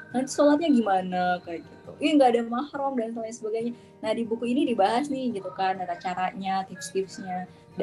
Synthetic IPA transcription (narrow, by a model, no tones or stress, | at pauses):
nant̪i̥solat̪̚ɲaɡimanakaɡit̪ṵʔiŋɡaːdamahɾumdansoɲasəbaɡajɲa | nahdibukuinidibaɦasnɪhɡit̪ukanaɾat͡ʃaɾaɲat̪ɪpst̪ɪpsɲa | d